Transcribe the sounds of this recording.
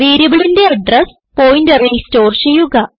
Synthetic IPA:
ʋeːɾjɐbɐɭinde̞ɐɖres | poːjndɐriisto̞ːrt͡ɕe̞jːuɣɐ

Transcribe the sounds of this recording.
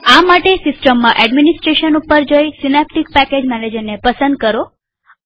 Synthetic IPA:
amaʈesɪsʈəmːãʔɛɖminisʈɾeʃənupəɾd͡ʒojsinɛp̚ʈik̚pɛked͡ʒmɛled͡ʒənnepəsənd̪̚kəɾo

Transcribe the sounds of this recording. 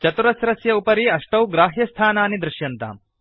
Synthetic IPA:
t͡ʃɐt̪uɾɐsɾɐsjɐupɐɾiːɐʂʈɐwɡɾaːɦjɐst̪ʰaːnaːnid̪ɾɪʃjɐnt̪a̰ːm

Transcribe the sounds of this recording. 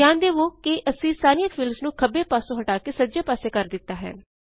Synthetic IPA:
ãːnd̪eːʋoːkɪʔəsĩːsaːɾijãːpʰɪlmsnũːkʰəbeːpaːsõːɦəʈaːkeːsəːd͡ʒeːpaːseːkəɾd̪ɪt̪ːaːɦɛ̰ːn

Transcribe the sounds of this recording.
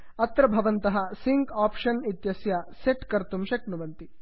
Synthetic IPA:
ɐt̪ɾɐbʱɐʋɐnt̪ɐɦɐ̆siŋkaːpʂɐnit̪jɐsjɐseʈkɐɾt̪umʃɐknuʋɐnt̪i

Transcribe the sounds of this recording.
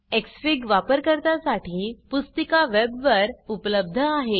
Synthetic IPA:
eksfiɡʋapəɾkəɾt̪asaʈʰiːpust̪əkaʋebʋəɾupələb̚d̪ʱəaɦe

